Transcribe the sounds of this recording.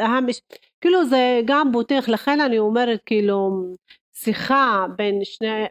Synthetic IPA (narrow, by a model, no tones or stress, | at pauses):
hamiʃ | kiːluzeɡambot̪iχlaχenaniomeɾet̪̚kiːlu | siχabenʃne